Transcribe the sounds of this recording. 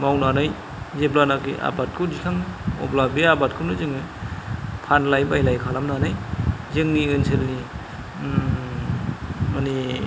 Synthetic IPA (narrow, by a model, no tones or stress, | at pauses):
mawnanɯj | zeblanakḭʔa̰bat̚kʰɯd͡ʒikʰaŋɔ̰plabiabat̚kʰɯnɯzɯŋɯ | pʰanlajbajlajkʰalamnanajzɯŋniɯnsʰelni | mani